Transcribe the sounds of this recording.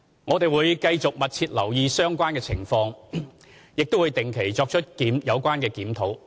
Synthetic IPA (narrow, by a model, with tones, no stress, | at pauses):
ŋɔː˨˧t̪e˨jwuː˨˧jkɐ˧jt͡sʊ˨k̚mɐ˨t̚t͡sʰiː˧t̚lɐ˨˩wjiː˧sœː˥ŋkʷaː˥nkɛː˧t͡sʰɪ˨˩ŋfɔː˧ŋ | jɪ˨k̚t̪o˥wuː˨˧jt̪ɪ˨˩ŋkʰe˨˩jt͡sɔː˧k̚t͡ʃʰɵ˥t̚kiː˨˥mjɐ˨˧wkʷaː˥nkɛː˧kiː˨˥mt̪ʰo˨˥w